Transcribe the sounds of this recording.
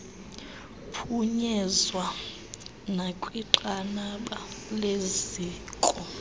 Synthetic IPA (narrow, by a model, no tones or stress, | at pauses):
pʰuɲɛzwa | nakʼwiǃanaɓaleziːkʼɔ